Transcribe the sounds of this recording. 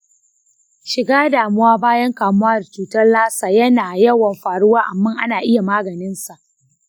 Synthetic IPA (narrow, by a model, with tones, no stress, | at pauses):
ʃɪ˨ɡaː˦daː˨mʊ˦waː˦baː˦jɐ˦ŋkaː˨mʊ˦waː˦dt͡ʃuː˨tɐ˦rlaː˦saː˨jɐ˦naː˨jɐ˦wɐ˨mɸaː˨ɽʊ˦waː˦ʔa˨mːɐ˦ŋʔa˦naː˨ʔɪ˦ja˨maː˦ɡɐ˨nɪ˦nsa˨ʔ